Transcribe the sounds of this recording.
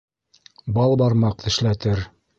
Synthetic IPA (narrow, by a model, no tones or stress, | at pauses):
bɑlˠbɑɾmɑq̚t̪ɘ̆ʃlæt̪ɘɾ